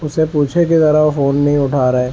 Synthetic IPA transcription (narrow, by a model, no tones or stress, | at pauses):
ʊsepuːt͡ʃʰeket̪ɐɾaofoːnːɐɦĩʊʈʰaːɾɐɦeː